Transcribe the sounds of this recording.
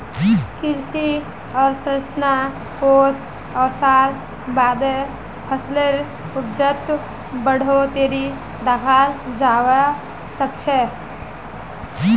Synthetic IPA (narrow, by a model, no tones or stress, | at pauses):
kɪɾsi | ɔːɾsɾət͡ʃna | koːs | əːsaːɾ | baːd̪e | pʰəsleɾ | ʊpd͡ʒət̪ | bəɽ̤ot̪eːɾi | d̪akʰaːɾd͡ʒaːwa | səkt͡ʃʰe